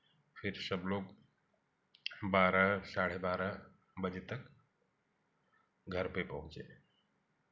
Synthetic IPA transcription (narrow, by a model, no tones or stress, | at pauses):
fʰɪɾsəbloːɡ | baːɾəsaːɽ̤ebaːɾə | bəd͡ʒet̪ək | ɡʱəɾpepɐɦʊ̃t͡ʃeː